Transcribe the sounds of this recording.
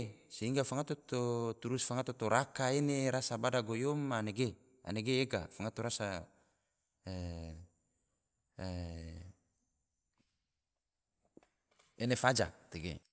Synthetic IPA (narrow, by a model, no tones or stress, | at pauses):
seiŋɡafaŋat̪ot̪ot̪uɾusfaŋat̪ot̪oɾakaeneɾasabadaɡojɔmaneɡe | a̰neɡeːɡa̰faŋat̪oɾasa | enefad͡ʒat̪eɡḛ